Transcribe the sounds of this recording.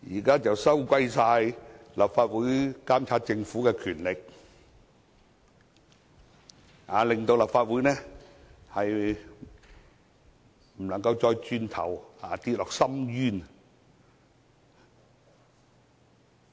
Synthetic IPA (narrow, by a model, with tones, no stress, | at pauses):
jiː˨˩kaː˥t͡sɐ˨wsɐ˥wkʷɐ˧jsaː˧j | lɐ˨p̚faː˧t̚wuː˨˥jkaː˥mt͡sʰaː˧˥t̚t͡sɪ˧ŋfuː˨˥kɛː˧kʰyː˨˩nlɪ˨k̚ | ʔaː˨˧˩lɪ˨ŋt̪o˧wlɐ˨p̚faː˧t̚wu˨˥jnɛː˥hɐ˨j | m̩˨˩lɐ˨˩ŋkɐ˧wt͡sɔː˧jt͡ʃyː˧nt̪ʰɐ̰˨˩waː˨t̪iː˧t̚lɔː˨˩k̚sɐ˥mjyː˥n